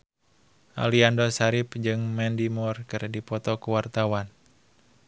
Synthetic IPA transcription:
ʔa̰liandɔsaɾipd͡ʒɨŋmɛndimɔrkɨrdipɔt̪ɔkuwart̪awan

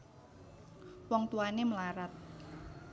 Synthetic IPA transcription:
wɔŋt̪uaneməlaɾat̪̚

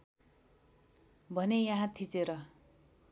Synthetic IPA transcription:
bʱʌnejaɦãt̪ʰit͡seɾʌ

